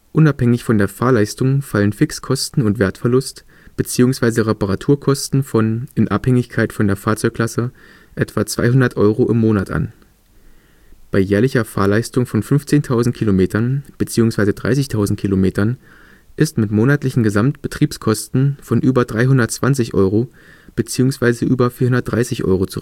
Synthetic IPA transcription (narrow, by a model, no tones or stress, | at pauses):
ʔʊnaphɛŋɪçfɔndeːɐfaːɐlaɪstʊŋfalənfɪkskʰɔstn̩ʊntv̥eːɐtfɛɐlʊst | b̥ət͡siːʊŋsv̥aɪzəʁepaʁatʰuːɐkʰɔstn̩fɔnɪnʔaphɛŋɪçkʰaɪtfɔndeːɐfaːɐt͡sɔʏkl̥asə | ʔɛtv̥at͡sv̥a̰ɪɦʊndɐtʔɔʏʁoʔɪmːoːnatʔa̰n | b̥aɪjɛːɐlɪçɐfa̰ːɐlaɪstʊŋfɔnfʏnft͡seːntʰaʊzn̩t̚kʰilomeːtʰɐnb̥ət͡siːʊŋsv̥aɪzədʁa̰ɪsɪçtʰaʊzn̩t̚kʰilomeːtɐn | ʔɪstmɪtmoːnatlɪçn̩ɡəzamtb̥ətʁ̥iːpskʰɔstn̩fɔnʔyːbɐdʁaɪɦʊndɐtt͡sv̥ant͡sɪçʔɔ̰ʏʁo | b̥ət͡siːʊŋsv̥aɪzəʔyːbɐfiːɐhʊndɐtd̥ʁaɪsɪçʔɔ̰ʏʁot͡su